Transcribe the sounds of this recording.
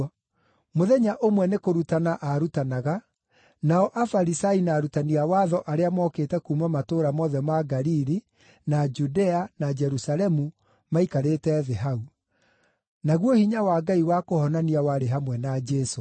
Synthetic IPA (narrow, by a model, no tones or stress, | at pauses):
moðɛɲaʔomwɛnekoɾutanaʔaɾutanaɣa | naɔʔafaɾisainaːɾutaniawaːðɔʔaɾeamɔkeːtɛkumamatoɾamɔðɛmaɡaɾiɾi | nad͡ʒudɛanad͡ʒɛɾusalɛmu | maikaɾetɛðɛɦau | naɣwɔhiɲawaːɡaiwakohɔnaniawaɾeɦamwɛnad͡ʒɛso